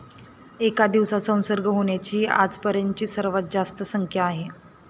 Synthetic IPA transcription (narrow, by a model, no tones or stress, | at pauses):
ekad̪iʋsasə̃w̃səɾɡʱəɦoɳ̃jat͡ɕiːa̰d͡zpəɾjəɲt͡ɕiːsəɾʋat̪̚d͡zast̪əsəŋkʰjaːɦe